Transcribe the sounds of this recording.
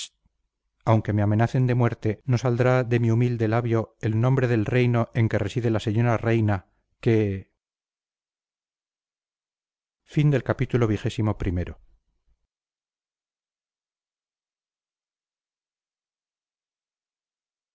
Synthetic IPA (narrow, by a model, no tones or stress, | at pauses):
awŋke̞me̞ame̞naθe̞nd̪e̞mwe̞ɾt̪e̞no̞sald̪ɾaðe̞miumild̪e̞laβjo̞elnõ̞mbɾe̞ðe̞lre̞jno̞ʔe̞ŋke̞re̞siðe̞lase̞ɲo̞ɾare̞jna | ke | find̪e̞lkapit̪ulo̞β̞ixe̞simo̞pɾime̞ɾo̞